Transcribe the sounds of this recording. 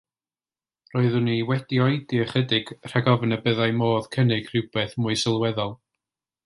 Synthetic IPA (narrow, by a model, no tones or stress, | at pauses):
roːɨðʊniwɛdiɔɨdiəχədɪɡ̥r̥ɛɡɔvənəbəðajmoːð̥kʰənɪɡ̥rɪwb̥eːθmʊɨsɪlˠwɛðɔlˠ